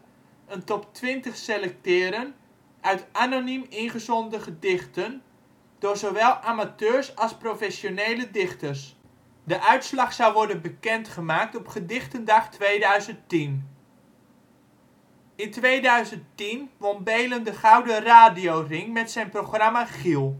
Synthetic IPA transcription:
əntɔptʋɪntəχselɛk̚tɪːɾən | œɥtʔanonymɪnχəzɔndəχədɪχtən | d̥ʊːɹzowʋɛlˠʔaːmatøːrsɑlˠsprofɛsjonejlədɪχtərs | dəʔœɥtslɑχsawʋɔɹdənbəkɛntχəmaːk̚tɔpχədɪχtəndaχtʋeːdœɥzənttin | ɪntʋejdœɥzənttinʋɔnbejləndəχawdəraːdijowrɪŋmɛtsɛjnproxramaχilˠ

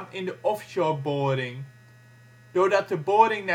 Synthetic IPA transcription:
mɪ̃ndəʔɔfʃɔːɹbɔɹɾɪŋ | d̥odɑt̚dəbɔɹɾɪŋn

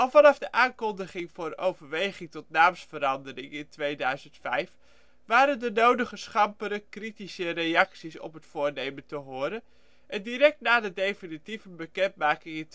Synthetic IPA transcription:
ɑlˠvɑnɑvdəʔaːŋkɔndəχɪŋvʊːrowvəɹʋejχɪŋtɔtnaːmsfəɾɑndərɪŋɪntʋejdœɥzəntfɛjf | ʋaːɾəndənowdəχəsχɑmpəɾəkritisərejɑksisɔ̰pɦətfʊːɹnejməntəɦʊːɾən | ʔɛndiɾɛk̚tnaːdədejfinitivənbəkɛntmaːkɪŋɪnt

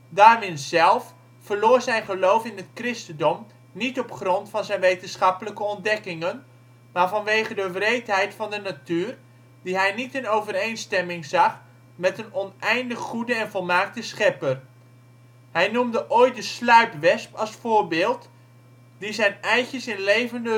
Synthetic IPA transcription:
daːɹʋɪnzɛlˠf | fəɹloːɹzɛjnχəlowfɪnɦətkrɪstəndɔm | nitɔpχrɔntfɑnzɛjnʋejtənsχɑpələkəɔndɛkɪŋən | maːɹvɑnʋejχədəvrejtɦɛjtfɑndənatyːr | diɦɛjnitɪnowvəɾejnstɛmɪŋzɑχ | mɛtənɔnʔɛjndəχχudəɛnvɔlˠmaːk̚təsχɛpər | ɦɛjnumdəʔojt̚dəslœɥtʋɛspɑlˠsfʊːɹbɪːlˠt | dizɛjnɛjtəsɪnlejvəndə

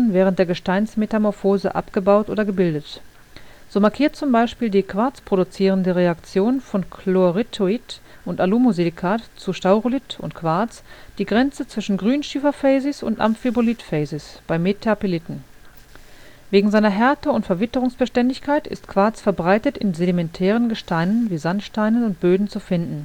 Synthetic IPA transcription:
nvɛːʁnt̚d̥eːɐɡəʃtaɪnsmetamɔɐfoːzə̰ʔa̰pɡ̥əbaʊtʔo̰ːdɐɡəbɪldət | z̥oːmaɐkʰiːɐt̚t͡sʊmbaɪʃpiːldiːkʰv̥aɐt͡spʁ̥odut͡siːʁ̞əndəʁeakt͡sjoːnfɔnkʰloʁitʰoit | ʔʊntaluːmozilikʰaːtt͡suʃtaʊʁolɪtʰʊ̰ntkʰv̥aɐt͡sd̥iːɡʁɛnt͡sət͡sv̥ɪʃn̩ɡʁyːnʃyːfɐfɛɪzɪsʊ̰ntʔa̰mfibolitfɛɪzɪsb̥aɪmetʰɛɐpilɪtn̩ | veːɡŋ̩zaɪnɐɦɛɐtəʊntfɛɐvɪtəʁʊŋsb̥əʃtɛndɪçkʰaɪtɪ̰stkv̥aɐt͡sfɛɐbʁaɪtətɪ̰nzedimɛntʰɛːʁənɡəʃtaɪnənviːzantʃtaɪnənʊnt̚b̥øːdn̩t͡sufɪndn̩

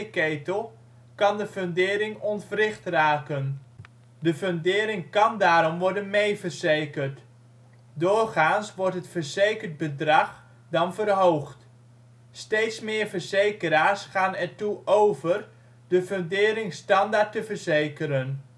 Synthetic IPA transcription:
kejtəlˠ | kɑndəføndɪːɾɪŋɔnfərɪχtraːkən | dəføndɪːɾɪŋkɑndaːɾɔmʋɔɹdənmejvəɹzejkəɹt | dʊːrχaːnsʋɔɹtɦətfəɹzejkəɹd̚bədrɑχ | dɑnvərɦowχt | stejtsmɪːɹvəɹzejkəɾaːɹsχaːnɛɹtuʔowvər | dəføndɪːɾɪŋstɑndaːɹtəvəɹzejkəɾən

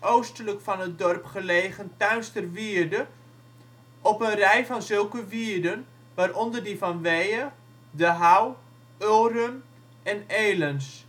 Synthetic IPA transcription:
owstələkfɑnət̚dɔrpχəleːχəntœɥstərʋiːərdə | ʔɔpənrɛjfɑnzɵlˠkəʋiːəɹdən | ʋaːrɔndərdifɑnʋɛjə | dəɦaw | ølˠrən | ɛneːləns

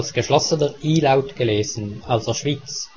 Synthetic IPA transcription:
lsɡ̥əʃlɔsənəʁiːlaʊtɡ̥əleːzənalsəʃv̥it͡s

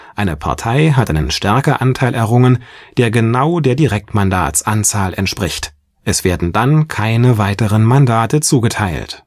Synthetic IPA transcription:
ʔaɪnəpʰa̰ɐtʰaɪɦatʔaɪnənʃtɛɐkɐʔantʰaɪlʔɛɐʁʊŋənd̥eːɐɡənaʊdeːɐdiʁɛk̚tmanda̰ːt͡sʔant͡saːlɛ̰ntʃpʁ̥ɪçt | ʔɛsv̥eːɐdn̩dankʰaɪnəvaɪtəʁənmandaːtət͡suːɡətʰaɪlt

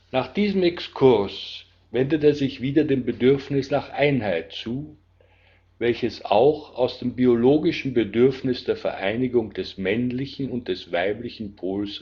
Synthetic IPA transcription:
naːχd̥iːzəmɛkskʰʊʁs | vɛndəteːɐzɪçv̥iːdɐdeːmbədʏɐfnɪsnaːχʔaɪnhaɪt̚t͡suː | vɛlçəsa̰ʊxaʊsd̥eːmbioloːɡɪʃn̩bədʏɐfnɪsd̥eːɐfɛ̰ɐʔaɪnɪɡʊŋd̥ɛsmɛnlɪçn̩ʊnt̚d̥ɛsv̥aɪplɪçn̩pʰoːls

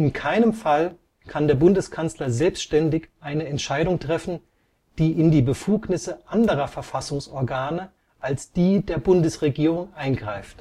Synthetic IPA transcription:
ʔɪnkʰaɪnəmfal | kʰandeːɐbʊndəskʰant͡slɐzɛlpstʃtɛndɪçʔaɪnəɛntʃaɪdʊŋtʁ̥ɛfn̩ | d̥iːʔɪndiːbəfuːknɪsəʔandəʁɐfɛɐfasʊŋsʔɔɐɡaːnə | ʔalsd̥iːdeːɐbʊndəsʁeɡiːʁ̞ʊŋʔaɪnɡʁaɪft

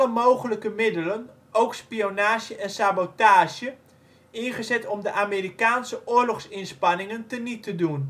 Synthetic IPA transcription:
əmowɣələkəmɪdələn | ʔowkspionaːʃjəʔɛnsabotaːʒjə | ɪnχəzɛtɔmdəʔameːɾikaːnsəʔʊːrlɔxsɪnspanɪŋəntənitədun

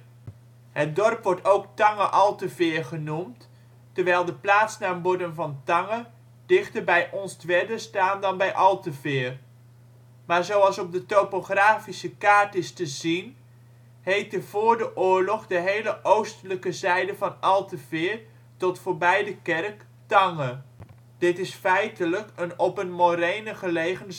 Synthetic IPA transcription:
ɦət̚dɔrpʋɔɹtowktɑŋəʔɑlˠtəvɪːɹχənumt | təɹʋɛjlˠdəplaːtsnaːəbɔdəmvɑntɑŋə | d̥ɪχtəɹbɛjʔɔnstʋɛdəstaːndɑnbɛjʔɑlˠtəvɪːr | maːɹzowɑlˠsɔp̚dətowpoχraːfisəkaːɹtɪstəzin | hejtəvʊːɹdəʔʊːɹlɔχdəɦejləʔowstələkəzɛjdəvɑnɑlˠtəvɪːɹ | tɔtfoːɹbɛjdəkɛrk | tɑŋə | d̥ɪtɪsfɛjtələkənɔpənmoɾejnəχəlejχən

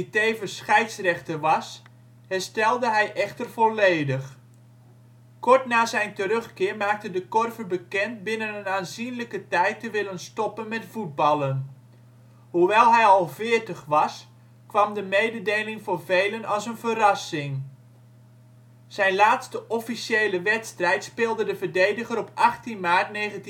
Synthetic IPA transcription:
itejvəsχɛjtsrɛχtəʋɑs | hɛɹstɛlˠdəɦɛjʔɛχtərvɔlejdəχ | kɔɹtnaːzɛjntəɾɵχkɪːɹmaːk̚tədəkɔrvəbəkɛnt̚bɪnənənaːnzinləkətɛjtəʋɪlənstɔpənmɛtfud̚bɑlˠən | ɦuʋɛlˠɦɛjɑlˠvɪːɹtəχʋɑs | kʋɑmdəmejdədejlɪŋvʊːɹvejlənɑlˠsənvərɑsɪŋ | z̥ɛjnlaːtstəʔɔfiʃejləʋɛtstrɛjtspɪːlˠdədəvəɹdejdəχəɾɔpʔɑχtinmaːɹtnejχənt

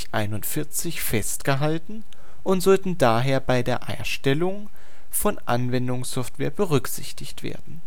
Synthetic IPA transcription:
çʔa̰ɪnʊntfɪɐt͡sɪçfɛstɡ̥əɦaltn̩ | ʔʊntz̥ɔltn̩daːɦeːɐbaɪdeːɐʔaɪʃtɛlʊŋ | fɔnʔa̰nvɛndʊŋsɔftv̥eːɐbəʁʏkz̥ɪçtɪçtv̥ḛːɐdn̩

